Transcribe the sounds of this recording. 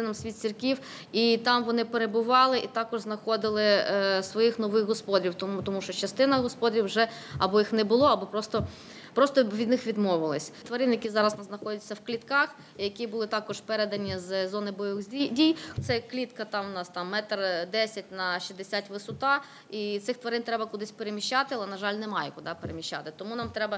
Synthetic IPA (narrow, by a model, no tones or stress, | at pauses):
ɪnɐmsʲʋʲit̪ʲt͡sʲirkʲiw | it̪ɑmʋɔnɪpeɾebʊʋɑlˠɪʔit̪ɑkɔʒznɐxɔd̪ɪlˠɪsʋɔjixnɔʋɪxɦɔspɔd̪ʲɾʲiwt̪t̪ɔmuʃɔt͡ʃɐst̪ɪnɐɦɔspɔd̪ɾʲiwʒɛɐbɔjixnɛbʊlˠɔɐbɔpɾɔst̪ɔ | pɾɔst̪ɔʋʲid̪nɪxʋʲid̪mɔʋɪlˠɪsʲt̪ʋɐɾɪnjɐkʲizɑɾɐsznɐxɔdʲɛt͡sʲːɐwklʲit̪kɑx | jɐkʲibʊlˠɪt̪ɑkɔʒpɛɾed̪ɐnʲizzɔnɪbɔjʋɪzʲidʲijt̪sɛklʲit̪kɐt̪ɑmnɑst̪ɑmːɛt̪rd̪ɛsʲɐt̚ʲnɐʃizd̪esʲatʲʋɪsʊt̪ɑ | it̪sɪxt̪ʋɐɾɪnt̪ɾɛbɐkʊd̪ɪsʲpeɾemʲiʃt͡ʃɑt̪ɪɐlˠɛnɐʒɑlʲnɛmɑjɛkʊd̪ɑpeɾemʲiʃʲt͡ʃːa̰t̪ɪt̪ɔmunɑmt̪ɾɛbɐ